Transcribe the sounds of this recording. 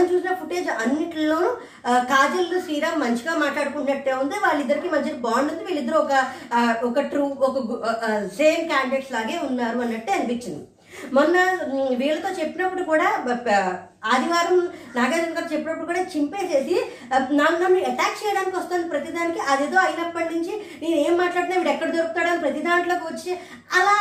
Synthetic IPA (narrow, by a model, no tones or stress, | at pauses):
ɐnt͡ʃuːsinɐːpʰuʈeːd͡ʒɐnːiʈllo̞ːnu | kaːd͡ʒɐlːusiːɾaːmɐɲt͡ʃiɡaːmaːʈlaːɽukuɳʈunɐʈːeːund̪eːʋaːɭːid̪ːɐɾikimɐɲt͡ʃibaːɳɖunt̪uʋiːɭid̪ːɐɾuɔkɐɔkɐʈɾuːɔkɐseːmkaːɳɖekslaːɡe̞ːunːaːɾuɐnːɐʈːeɐnipit͡ʃːind̪i | mɔnːɐʋiːɭːɐt̪o̞ːt͡ʃepːinɐpːuɽukuːɽaː | aːd̪iʋaːɾɐm | naːɡaːɾɐŋkaːɾt͡ʃepːinɐpːuɽukuːɽaːt͡ʃimpe̞ːseːsi | naːnnamːiɛʈaːk̚t͡ʃɛːjɐɽaːnikʲiʋɐst̪aːnd̪ipɾɐt̪id̪aːnikiʔɐd̪eːd̪o̞ːɐjnɐpːɐɳːiɲt͡ʃineːne̞ːmːaːʈlaːɽt̪nːaɐʋiːʈɛkːɐɽd͡ʒɐɾukp̚ut̪aːɽaːnpɾɐt̪id̪aːnloːkʋɐt͡ʃːi | ɐlaː